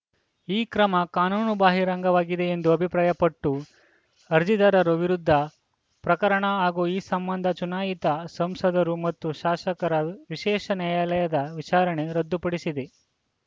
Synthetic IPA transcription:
iːkɾɐmɐkaːnuːnubaːɦiɾɐŋɡɐʋaːɡid̪e̞ːnd̪uɐbʱipɾaːjɐpɐʈːu | ɐɾd͡ʒid̪ɐɾɐɾuʋiɾud̪ʱːɐ | pɾɐkɐɾɐɳɐaːɡuiːsɐmbɐnd̪ʱɐt͡ʃunaːjit̪ɐsɐmsɐd̪ɐɾumɐt̪ːuʃaːʃɐkɐɾɐʋiʃɛːʃɐnaːjaːlɐjɐd̪ɐʋit͡ʃaːɾɐɳe̞ɾɐd̪ːupɐɽisid̪e

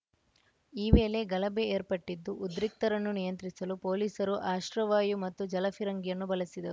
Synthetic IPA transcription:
iːʋe̞ːle̞ɡɐlɐbeeːɾpɐʈːid̪ːuʔud̪ɾik̚t̪ɐɾɐnːunijɐnt̪ɾisɐlupo̞ːliːsɐɾuʔaːʃɾɐʋaːjumɐt̪ːud͡ʒɐlɐfʰiɾɐŋɡijɐnːubɐlɐsid̪ɐu

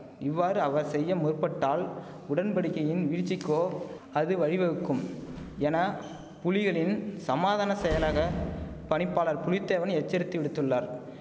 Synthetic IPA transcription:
ɪʋːaːɾɯɐʋɐɾsɛjːɐmʊɾpɐʈːaːl | ʊɽɐnpɐɽɪkːɐjɪnʋiːɾt͡ʃːɪkːoː | ɐðɯʋɐɻɪʋɐɯkːɯmɛnɐ | pʊlɪɣɐɭɪnsɐmaːðaːnɐsɛjɐlaːɣɐpɐɳɪpːaːlɐɾpʊɻɪt̪ːeːʋɐnɛt͡ʃːɐɾɯt̪ːiʋɪɽɯt̪ːɯɭːɐɾ

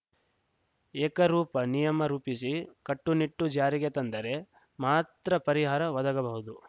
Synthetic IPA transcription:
eːkɐɾuːpɐnijɐmɐɾuːpisikɐʈːuniʈːud͡ʒaːɾiɡe̞t̪ɐnd̪ɐɾe̞ | maːt̪ɾɐpɐɾiɦaːɾɐʋɐd̪ɐɡɐbɐɦud̪u

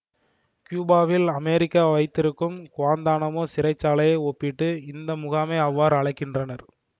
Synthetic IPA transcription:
kjuːbaːʋɪlɐmɛɾɪkːaːʋɐɪt̪ːɪɾɯkːɯmkʊʋaːnd̪aːnɐmoːsɪɾɐɪt͡ʃːaːlɐjɐɪɔpːɪʈːɯɪnd̪ɐmʊɣaːmeːɐʋːaːɾɐɭɐɪkːɪndrɐnɐɾ

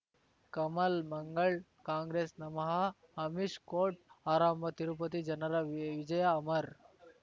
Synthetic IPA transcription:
kɐmɐlmɐŋɡəɭ | kãːŋɡɾesnɐmɦa | ɦɐmiʃkoʈ̚aːɾambʱɐt̪iɾup̬ət̪̬id͡ʒɐnɐɾaʋʋid͡ʒɐjaːməɾ

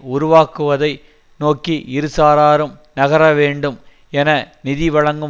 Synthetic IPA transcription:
ʊɾʊʋaːkːɯʋɐðɐɪ | noːkːiʔɪɾɯsaːɾaːɾɯmnɐɣɐɾɐʋeːɳɖɯm | ɛnɐnɪðiʋɐɭɐŋɡɯ

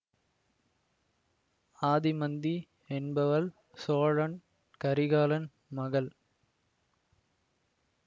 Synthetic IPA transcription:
aːðimɐnd̪i | ɛnbɐʋɐl | soːɻɐn | kɐɾɪɣaːlɐn | mɐɣɐl

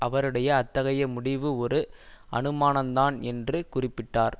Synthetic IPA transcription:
ʔɐʋɐɾɯɽɐjɐːt̪ːɐɣɐjɐmʊɽɪʋɯɔɾɯɐ̰nɯmaːnɐnd̪aːnɛndrɯkʊrɪpːɪʈːaːɾ

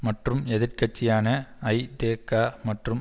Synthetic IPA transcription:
mɐʈrɯmɛðɪrkɐt͡ʃːɪjaːnɐɐɪd̪eːkːaːmɐʈrɯm

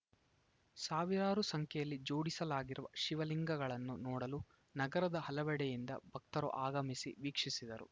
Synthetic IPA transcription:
saːʋiɾaːɾusɐŋkʰɛjɐlːid͡ʒoːɽisɐlaːɡiɾuʋɐ̰ʃiʋɐliŋɡɐɡɐɭɐnːunɔːɽɐlu | nɐɡɐɾɐd̪ɐhɐlɐʋɛɽɛjind̪ɐ̰bʱɐk̚t̪ɐɾṵʔaːɡɐmisḭʋiːkʂisid̪ɐɾṵ

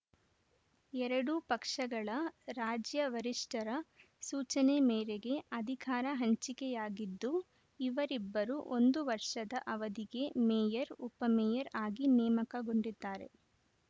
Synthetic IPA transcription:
ɛɾɐɽupɐkʂɐɡɐɭɐɾaːd͡ʒjɐʋɐɾiʂʈɐɾɐ | suːt͡ʃɐnemeːɾeɡe̞ɐd̪ʱikaːɾɐɦɐɲt͡ʃikɛjaːɡid̪ːu | iʋɐɾibːɐɾuʔo̞nd̪uʋɐɾʂɐd̪ɐʔɐʋɐd̪iɡe̞meːjɐɾupːɐmɛːjɐɾaːɡinɛːmɐkɐɡoɳɖid̪ːaːɾe̞̰

